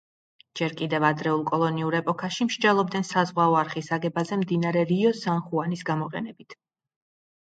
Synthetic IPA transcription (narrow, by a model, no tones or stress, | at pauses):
d͡ʒɛɾkʼid̪ɛvad̪ɾɛulˠkʼɔlˠɔniuɾɛpʼɔkʰaʃimʃd͡ʒɛlˠɔb̚d̪ɛnsazʁwaɔaɾχisaɡɛbazɛmd̪inaɾɛɾiɔzanχuanisɡamɔqʼɛ̰nɛbit̪ʰ